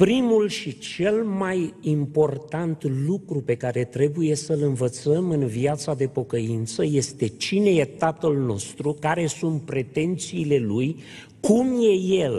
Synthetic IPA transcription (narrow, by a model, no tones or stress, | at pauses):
pɾimulʃit͡ʃe̞lmajimpo̞rt̪ant̪lukɾupe̞kaɾe̞t̪ɾe̞buje̞səlɨnvət̪səmɨnviat̪sad̪e̞po̞kəint̪səje̞st̪e̞t͡ʃine̞je̞t̪at̪əlno̞st̪ɾukaɾe̞sunt̪̚pɾe̞t̪e̞nt̪siːle̞luj | kumje̞je̞l